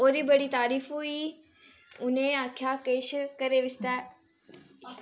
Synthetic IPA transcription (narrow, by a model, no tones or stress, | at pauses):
oːɾiːbɐɽit̪aːɾiːfui | ʊnẽakʰjakeːʃkɐɾeʋɪst̪a